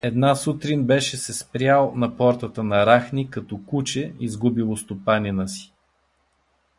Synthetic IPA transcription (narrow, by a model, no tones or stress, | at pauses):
ɛd̪nasut̪ɾinbɛʃɛsɛspɾʲjalˠnɐpɔɾt̪ət̪ənɐɾaxnikɐt̪ɔkut͡ʃɛizɡubilˠost̪opaninəsi̥